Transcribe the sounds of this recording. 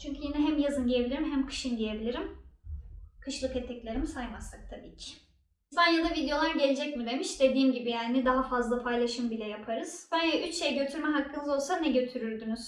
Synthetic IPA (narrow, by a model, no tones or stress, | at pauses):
t͡ʃʰyɲcʰyjinɛɦæmjazɯnɟijebilʲiɾimɦæmkʰɯ̥ʃɯnɟije̞bilʲiɾim | kʰɯʃlˠɯkɛt̪ʰɛclʲe̞ɾimisajmasak̚t̪ʰabiːcʰɪ̥ | zanjad̪ˠavid̪eo̞lˠaɾɟe̞lʲed͡ʒɛcmid̪e̞miʃd̪e̞d̪iːmɟibijaːnid̪aɦafazlˠapʰajlˠaʃɯmbilʲɛjapʰaɾɯz̥bajaʔyt͡ʃʃejɟø̞t̪ʰyɾmɛɦakʰːɯnɯzo̞lˠsanɛɟø̞t̪ʰyɾyɾd̪ynyz̥